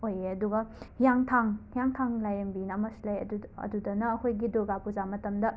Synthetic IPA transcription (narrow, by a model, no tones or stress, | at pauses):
ojeɐduɡɐhijaŋtʰaŋhijaŋtʰaŋlajɐmbinɐmɐslajɐ̰dɐ̰dudɐnɐːkʰojɡidoɡapuzamɐtɐmdɐ